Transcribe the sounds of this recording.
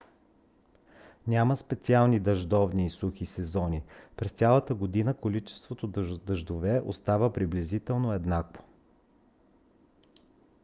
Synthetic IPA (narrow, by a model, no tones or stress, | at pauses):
nʲaməspɛt̪sialˠnid̪ɐʒd̪ɔvniːsuxisɛzɔnipɾɛst̪sʲalˠət̪əɡod̪inəkolit͡ʃɛ̥st̪vot̪od̪d̪əʒd̪ovɛʔo̰st̪avəpɾiblizit̪ɛlˠnoɛd̪nakvo̥